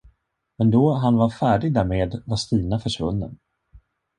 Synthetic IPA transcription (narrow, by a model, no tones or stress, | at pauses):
mɛnd̪ɔɦanvaɾfæːɖɪɡ̚d̪æɾmeːd̪vast̪iːnafœʂvɵ̰nːə̰n